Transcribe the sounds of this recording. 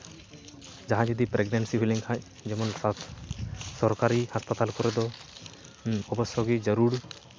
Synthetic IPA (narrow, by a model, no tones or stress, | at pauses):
d͡ʒaɦãd͡ʒɔd̪ipɾeɡnansiɦuliŋkʰac̚ | d͡ʒɛmɔnsat̪ʰ | sɔɾkaɾihaspat̪alkɔɾɛd̪ɔ | ɔbɔsɔɡid͡ʒəɾuɾ